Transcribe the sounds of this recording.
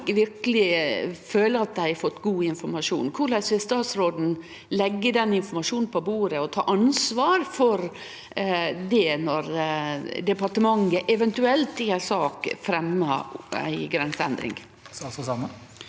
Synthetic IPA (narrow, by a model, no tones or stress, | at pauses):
ʋɪɾkəlɪføːləɑt̪̚d̪æɪæɾfɔt̪ːɡuːɪnfɔɾmɑʂṵːnkʰʊɭæɪsʋɛst̪ɑːt̪sɾoːd̪n̩ | lɛɡːəd̪ɛnɪnfɔɾmɑʂuːnn̩pʰɔbuːɾəɔt̪ʰɑ̰ːʔɑnsʋɑːɾfɔɾ | d̪ɛnɔɾ | d̪ɛpɑʈəmɑŋːəʔɛʋɛnt̪ʉɛlt̪ɪæsɑːkfɾɛmːəæ̰ɪɡɾɛnsəɛ̰nd̪ɾɪ̰ŋ | sɔsɑmə